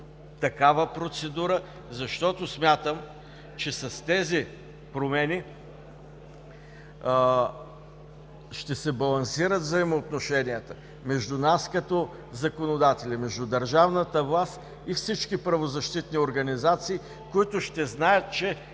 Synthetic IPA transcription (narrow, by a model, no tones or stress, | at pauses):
t̪ɐkavəpɾot̪sɛd̪uɾə | zɐʃt̪ɔt̪osmʲjat̪əm | t͡ʃɛsɐst̪ɛzi | pɾomɛni | ʃt̪ɛsɛbɐlˠɐnsiɾət̪vzəimoːt̪noʃɛniət̪ə | mɛʒd̪unaskɐt̪ɔ | zɐkonod̪at̪ɛlʲimɛʒd̪ud̪ɐɾʒavnət̪əvlˠast̪ | ifsit͡ʃkipɾɐvozɐʃt̪it̪nioɾɡɐnizat̪siː | koit̪ʊʃt̪ɛznajət̪̚t͡ʃɛ